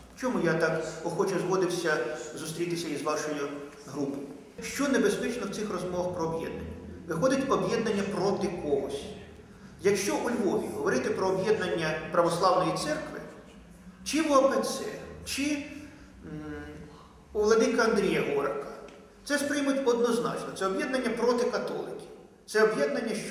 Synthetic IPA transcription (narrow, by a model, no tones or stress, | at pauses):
t͡ʃɔmujat̪ɑkɔxɔt͡ʃɛzɦɔd̪ɪwsʲɐzʊst̪ɾʲit̪ɪsʲɐizʋɑʃɔjʊ | ɦɾupɔjʊ | ʃt͡ʃɔnebespɛt͡ʃnɔwt̪ɪxrɔzmɔʋɐxpɾɔːbjɛ̰d̪nɐnʲːɐʋɪxɔd̪ʲɪtʲɔbjɛd̪nɐnʲːɐpɾɔt̪ɪkɔɦɔsʲ | jɐkʃt͡ʃɔʔulʲʋɔʋʲiɦɔʋɔɾɪt̪ɪpɾɔːbjɛd̪nɐnʲːɐpɾɐʋɔslˠɑʋnɔjit̪sɛrkʋɪ̰ | t͡ʃɪʋɔɐbnɪsʲɛ̰t͡ʃɪ | uʋlˠɐd̪ɪkɐɐnd̪ɾʲijɐɦɔɔɾɐkɐ | t̪sɛspɾɪmʊtʲɔd̪nɔznɑ̰t͡ʃnɔt̪sɛɔbjɛd̪nɐnʲːɐpɾɔt̪ɪkɐt̪ɔ̰lˠɪkʲi̥ | t̪sɛɔbjɛd̪nɐnʲːɐʃt͡ʃ